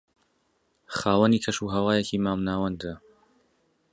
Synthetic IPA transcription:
χaːwɐniːkʰɐʃuɦɐwaːjecʰiːmaːmnaːwɐnd̪ɨ

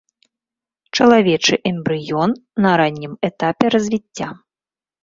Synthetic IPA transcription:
t͡ʂɐlˠavʲɛt͡ʂɨʔɛmbɾɨjɔnːɐɾanʲːimɛt̪apʲɛɾɐzʲvʲit͡sʲːa

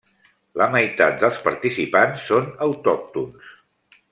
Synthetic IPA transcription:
ləməjt̪a̰t̪̚d̪əlˠspəɾt̪isipansːonəwt̪ɔk̚t̪uns

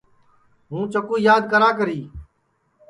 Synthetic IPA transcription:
ɦũːt͡ʃəkuːjaːd̪̚kəɾaːkəɾiː

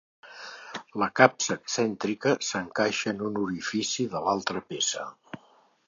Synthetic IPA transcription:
ləkapsəːksɛnt̪ɾikəsəŋkaʃəːnunuɾifisiðəlalˠt̪ɾəpesə

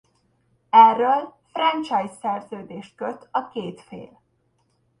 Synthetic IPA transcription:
ɛrːøːlfrɛnt͡ʃɒjsɛrzøːd̪eːʃt̪̚køt̪ʰɒkeːt̪fḛːl

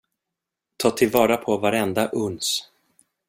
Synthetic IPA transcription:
t̪ʰɑːt̪ʰɪlvɑːɾapʰɔvaɾɛnd̪aʔɵns

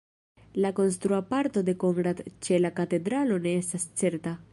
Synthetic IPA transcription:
lako̞ns̬t̪ɾuapaɾt̪o̞d̪e̞ko̞ŋɡɾat̪t͡ʃe̞lakate̞d̪ɾalo̞ne̞estast͡se̞ɾta

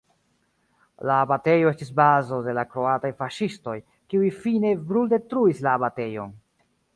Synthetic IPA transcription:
laːbate̞jo̞e̞stisbazo̞de̞lakɾo̞atajfaʃisto̞j | kiujfine̞bɾulde̞tɾuislaːbate̞jo̞̰n

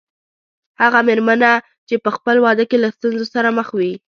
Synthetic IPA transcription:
haɣameɾmana | t͡ʃepəxpəlwɑd̪əkelast̪unzosaɾaməxwi

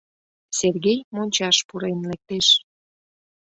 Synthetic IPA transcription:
serɣejmonʲt͡ɕɑʃpuɾenlek̚t̪eʃ

